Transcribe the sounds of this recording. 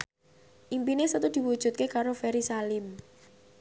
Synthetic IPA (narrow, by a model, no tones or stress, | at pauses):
ʔimpinesət̪ud̪̥i̤wud̥ʒ̥ṳt̪̚kekaɾofɛɾisalɪm